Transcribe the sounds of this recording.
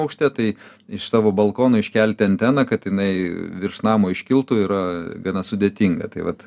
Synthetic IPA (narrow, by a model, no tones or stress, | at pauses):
ʊkʃʲt̪ʲɛt̪ɐɪ | ɪʃsɑːʋoːbɐlˠkoːnoːɪʃʲkʲɛlʲt̪ʲɛnt̪ʲænɐkɐt̪jɪnɐɪʋʲɪrʃnɑːmoːɪʃʲkʲɪlˠt̪ʊːiːɾɐɡɐnɐsʊd̪ʲeːt̪ʲiŋɡɐ̰t̪ɐɪʋɐt̪